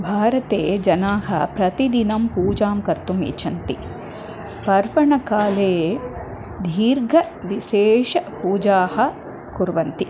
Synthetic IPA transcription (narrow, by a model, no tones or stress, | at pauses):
bʱaːɾɐt̪eːd͡ʒɐnaːɦɐ̰pɾɐt̪id̪inɐmpuːd͡ʒaːmkɐɾt̪umḭt͡ʃʰɐnt̪i | pɐɾʋɐɳɐkaːleː | d̪ʱiːɾɡʱɐ | ʋiʃeːʃɐpuːd͡ʒaːhɐ̆ | kuɾʋɐnt̪i